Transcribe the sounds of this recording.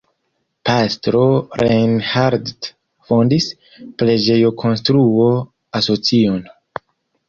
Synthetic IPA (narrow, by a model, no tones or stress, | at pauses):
pastɾo̞ɾʔejnhaɾdd | fo̞ndis | pɾe̞d͡ʒe̞jo̞kʰo̞nstɾuo̞ | aso̞t͡sio̞n